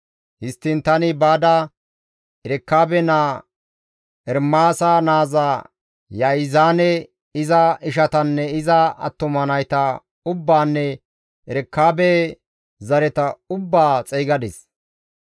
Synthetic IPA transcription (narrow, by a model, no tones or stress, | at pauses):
hɪst̪ːɪnt̪ɐnɪbaːd̪ɐ | ɛɾɛkːaːbɛna | ʔɛɾmaːsɐnaːza | jɐɪzaːnɛ | ɪzɐɪʃɐt̪ɐnːɛɪzɐɐ̰t̪ːɔmɐnɐjt̪ɐ | ʊbːaːnːɛ | ʔɛɾɛkːaːbɛ | zɐɾɛt̪ɐʊbːaːt͡sʼɛjɡɐd̪ɛs